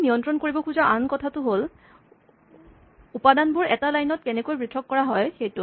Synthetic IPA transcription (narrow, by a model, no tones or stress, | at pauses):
nijɔntɹɔnkoɹibɔkʰuzɔʔankɔtʰatʊɦol | upadanbʊɹɛtalajnɔt̚kɛnɛkojbɹitʰɔkːɔɹaɦɔjxejtʊ